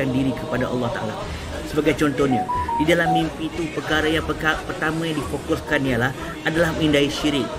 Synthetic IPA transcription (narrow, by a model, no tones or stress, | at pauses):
andiɾikəpadaʔɑ̰lˠːɑht̪aʔala̰ | səbaɡajt͡ʃɔnt̪ɔhɲãdidalahmĩmpit̪upəkaɾajaŋapərt̪amãjaŋdifokuskaniəlah | adalahmĩndaiʃiɾɪk̚